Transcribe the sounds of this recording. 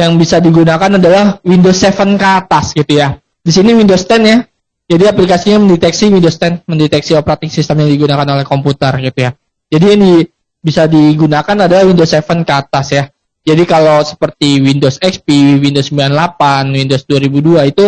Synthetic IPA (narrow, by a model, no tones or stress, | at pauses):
jaŋbisadiɡunakanadalahwindosɛfənkat̪asɡit̪uja | disiniwindost̪ɛnja | d͡ʒadiaplikasiɲaməndet̪ɛksiwindost̪ɛnməndet̪ɛksiopɾat̪ɪfsist̪əmjaŋdiɡunakanolɛhkomput̪ərɡit̪uja | d͡ʒadijaŋdi | bisadiɡunakanadalahwindosɛfənkat̪asja | d͡ʒadikalosə̥pərt̪iwindosɛkspiwindosəmbilanlapanwindosduaɾibuduait̪u